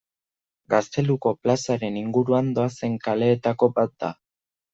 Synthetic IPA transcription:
ɡast̪e̞luko̞plasaɾe̞niŋɡuɾuand̪o̞ase̞ŋkale̞ːt̪ako̞bat̪̚d̪a

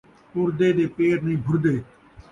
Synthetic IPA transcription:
ʊɾd̪eːɗ̪eːpeːɾnəĩːbʱʊɾd̪eː

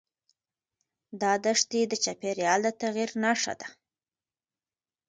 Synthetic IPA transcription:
d̪ɑd̪əʂt̪id̪ət͡ʃapeɾjɑld̪ət̪aɣiɾnaʂa̰d̪a

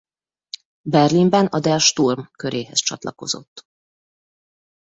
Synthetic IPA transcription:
bɛrlimbɛnɒd̪ɛlʃt̪urmkø̞ɾeːɦɛst͡ʃɒt̪lʔɒko̞̰zo̞̰t̪ː

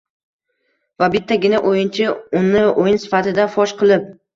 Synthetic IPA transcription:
vabɪt̪ʰːaɡʲɪnaʔojɪnt͡ʃʰɪʊnːɪʔojɪnsɪ̥fat̪ɪd̪afɒʃqʰɨlˠɪp̚

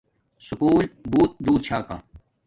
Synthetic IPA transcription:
sʊkuːlbuːt̪̚d̪uːd̪̚t͡ɕʰaːka̰

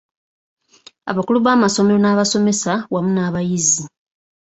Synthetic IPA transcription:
a̰βakuluβaːmaso̞meɾo̞naːβaso̞me̞sawamunaːβajizi

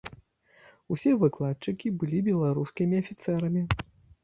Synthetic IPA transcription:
usʲɛvɨklˠat̪t͡ʂɨkʲibɨlʲibʲɛlˠaɾuskʲimʲiɐfʲit̪sɛɾɐmʲi

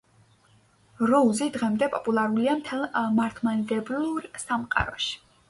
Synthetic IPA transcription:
ɾɔuzid̪ʁɛmd̪ɛpʼɔpʼulˠaɾuliamt̪ʰɛlˠmaɾt̪ʰmand̪ɛbluɾsamqʼa̰ɾɔʃi̥

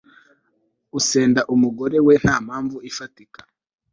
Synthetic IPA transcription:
use̞ːndaʔumuɡo̞ɾe̞we̞haːm̥haːɱvuifatikḁ

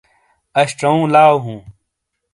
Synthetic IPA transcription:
ɐɕʈɐũːlaːwɦũː

